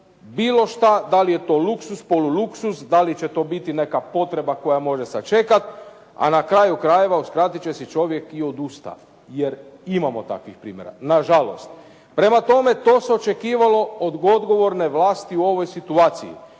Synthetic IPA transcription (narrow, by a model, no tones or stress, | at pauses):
biːlo̞ʃt̪ad̪alije̞t̪o̞ːluksuspo̞luluksusd̪alit͡ɕet̪o̞ːbit̪inekapo̞t̪ɾe̞bako̞jamo̞ʒesat͡ʃe̞kat̪ | a̰nakɾajukɾaje̞ʋauskɾat̪it͡ɕe̞sit͡ʃo̞ʋje̞kio̞d̪ust̪a̰ | jeɾimamot̪a̰kʋixpɾḭːmje̞ɾa̰naʒalo̞̰st̪ | pɾe̞mat̪o̞me̞t̪o̞ːseo̞t͡ʃe̞kiːʋalo̞od̪ɡo̞d̪ɡo̞ʋo̞ɾne̞ʋlaːst̪iuo̞ʋo̞jsit̪uaːt̪sijḭ